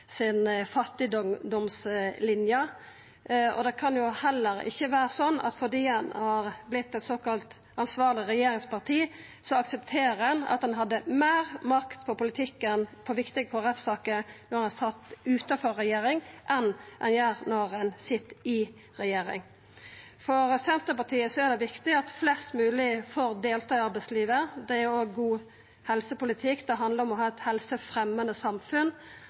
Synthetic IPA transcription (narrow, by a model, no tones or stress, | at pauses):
sɪnfɑt̪ːɪd̪d̪ɔmslɪnjə | ɔ̰d̪ɛkʰɑnjʊhɛlːəɾɪ̰çːəʋæːɾəsɔnːʔɑ̰t̪fɔʁd̪iːhɑnhɑɾblɪt̪ːɛt̪soːkɑlt̪ | ɑnsʋɑːʁlɪɾɛjeːɾɪŋspɑʁt̪ʰiː | sɔɑksɛpt̪ʰeːɾəɛnɑ̰t̪hɑnɦɑd̪ːəmeːɾmɑkt̪pʰɔpʊlɪt̪ʰɪkːənpʰɔʋɪkt̪ɪɡəpʰɔɾɛfsɑːkənɔɾɑnæsɑt̪ːʉːt̪ɑfɔɾːɛjeːɾɪŋʔɛnʔɛ̰njæːɾnɔɾɑnsɪt̪ːɪ | ɾɛjeːɾɪ̰ŋ | fɔɾsɛnt̪əpɑt̪ʰiːəsɔæɾd̪ɛʋɪkt̪ɪɑt̪flɛst̪mʉːlɪfoːɾd̪eːlt̪ʰɑːɪɑɾbɛɪsliːʋəd̪ɛæɾoːɡːuː | hɛlsəpʊlɪt̪ʰɪkd̪ɛɦɑnd̪ləɾɔmɔɦɑːɛt̪hɛlsəfɾɛmːənd̪əsɑmfʉn